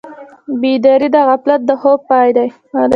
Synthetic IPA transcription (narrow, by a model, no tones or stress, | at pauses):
bid̪aɾid̪aɣaplat̪̚d̪əxob̚pːɑjd̪aj | a